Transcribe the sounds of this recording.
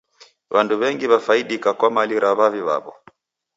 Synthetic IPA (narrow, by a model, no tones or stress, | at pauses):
βanduβɛŋɡiβafaiɗikakwamaliɾʔaβaviβa̰βɔ̰